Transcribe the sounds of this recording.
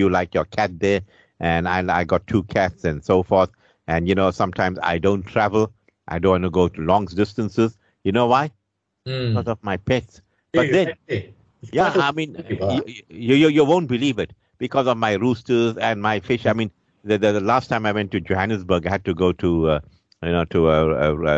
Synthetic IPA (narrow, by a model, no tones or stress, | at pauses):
julaɪkjɔkʰæt̚d̪ɛ | ʔɛ̃naɪa̰ɪɡɔtʰːuːkʰætsɛ̃nsoʊfɔɹθ | ʔɛ̃njunoːsʌ̃mtʰãɪ̃mza̰ɪdõʊ̃ntʰɹævəl | ʔa̰ɪdõːnwɔ̃ntuɡoʊtulɔ̃ŋsdɪstə̃nsəz | junowaɪ | ikɔzɔvmaɪpɛts | b̥ʌd̪ɛ̃n | jaaɪmĩn | jujujuwõʊ̃nt̚bɪliːvɪt̚ | b̥ɪkʰɔzɔvmaɪɹustəzɛ̃nmaɪfɪʃaɪmĩːn | ðəd̪əəlaːstʰãɪ̃maɪwɛ̃ntːud͡ʒohænɨsbəɾɡaɪhæd̚tuɡoːtʰu | junoːtʰuəə